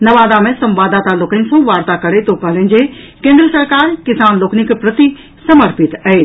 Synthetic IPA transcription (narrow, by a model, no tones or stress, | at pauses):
nɐʋaːd̪amẽsɐ̃mʋaːd̪aːt̪aloːknɪnsõʋaːɾt̪akɐɾet̪oːkaːlə̃nd͡ʑe | kẽːnd̪ɾəsɐɾkaːɾkɪsaːnloːknɪkpɾɐt̪i | sɐməɾpɪt̪ɐeː